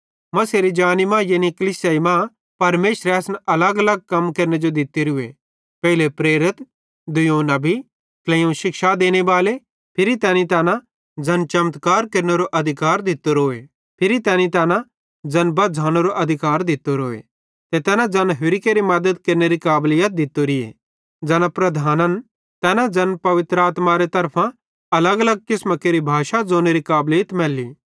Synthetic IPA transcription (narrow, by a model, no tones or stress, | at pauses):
mɐseɾid͡ʒaːnimãjenikɐliːsjaːimã | pɐɾmeːʃɾeɐsnʔɐləɡɐləɡ̚kɐmkɐɾned͡ʒod̪ɪt̪ːeɾʊḛ | pɛːɪlepɾeːɾɪt̪ | d̪ʊjoːnabʱi | klɛ̃õʃɪkʃad̪eːñebaːle | pʰɪɾit̪ɛːnit̪ɛːnã | d͡zɐnt͡ʃɐmt̪kaːɾkɐɾneɾoʔɐd̪ʱɪkaːɾd̪ɪt̪ːoɾoːe | pʰɪɾit̪ɛ̃ːnĩt̪ɛːnã | d͡zɐnbɐd͡zʱaːneɾoʔɐd̪ʱɪkaːɾd̪ɪt̪ːoɾoːḛ | t̪et̪ɛːnãd͡zɐnɦʊɾɪkeɾimɐd̪əd̪kɐɾneɾikaːblɪjət̪̚d̪ɪt̪ːoɾiḛ | d͡zɛːnapɾɐd̪ʱaːnən | t̪ɛːnad͡zɐnpɐʋɪt̪ɾaːt̪maɾet̪ɐɾpʰã | ɐləɡɐləɡ̚kɪsməkeɾibʱaːʃad͡zoːneɾikaːblɪjət̪mɛːliː